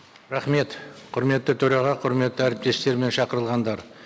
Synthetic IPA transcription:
ɾɑχme̞t̪qʰʊɾme̞t̪ːɪt̪ʰɵɾɑʁɑqʰʊɾme̞t̪ːɪæɾɪp̚t̪e̞st̪e̞ɾme̞nʃɑqəɾəlˠʁɑnd̪ɑɾ

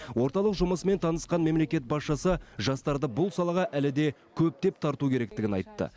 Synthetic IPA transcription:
wo̞ɾt̪ɑlˠəqʒʊməsəme̞nt̪ʰɑnəsqɑnme̞mle̞kʲe̞t̪̚bɑsʃɑsəʒɑst̪ɑɾd̪əbʊlˠsɑlˠɑʁɑʔælɪd̪e̞ | kʲʰɵp̚t̪e̞pt̪ʰɑɾt̪ukʲʰe̞ɾe̞kt̪ɪɡʲɪnɑ̰jt̪ːə̰

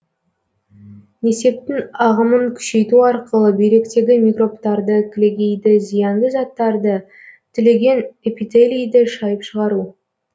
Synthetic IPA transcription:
ne̞se̞p̚t̪ɪŋɑʁəməŋkʲʰʏ̥ʃe̞jt̪uɑɾqəlˠəbe̞jɾe̞kt̪e̞ɡʲɪmʲikro̞pt̪ɑɾd̪əkʲʰle̞ɡʲe̞jd̪ɪzijɑɴd̪əzɑt̪ːɑɾd̪ə | t̪ʰʏle̞ɡʲe̞nepit̪elʲijd̪ɪʃɑjəpʃəʁɑɾu

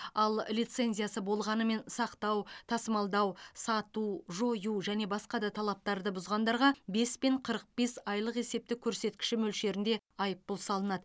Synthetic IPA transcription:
ɑlˠlʲijt̪se̞nzʲijasəbo̞lˠʁɑnəme̞nsɑqt̪ɑwt̪ʰɑsəmɑlˠd̪ɑwsɑt̪uʒo̞juʒæne̞bɑsqɑd̪ɑt̪ʰɑlˠɑp̚t̪ɑɾd̪əbʊzʁɑnd̪ɑɾʁɑbe̞spe̞ɴqʰəɾəq̚be̞sɑjlˠəqe̞se̞p̚t̪ɪkʲʰɵɾse̞t̪kʲɪ̥ʃɪmɵlʃe̞ɾɪnd̪e̞ɑjəpːʊlˠsɑlˠənɑd̪ə

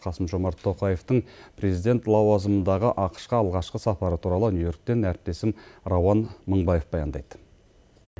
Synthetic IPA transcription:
qʰɑsəmʒo̞mɑɾt̪ʰːo̞qɑje̞ft̪əɴpʰɾe̞zijd̪ʲe̞nt̪lˠɑwɑzəmənd̪ɑʁəʔɑqə̥ʃqəɑlˠʁɑʃqəsɑpɑɾət̪ʰuɾɑlˠənjujo̞ɾk̚t̪e̞næɾɪp̚t̪e̞sɪmɾɑwɑnməɴbɑje̞fbɑjɑnd̪ɑjd̪̥ə

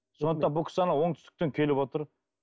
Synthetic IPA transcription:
sonət̪ːɑnbʊkʰʲɪ̥sɑnɑwo̞ŋt̪ʏ̥st̪ɪ̥k̚ʲt̪eŋkʲʰe̞lɪpwot̪əɾ

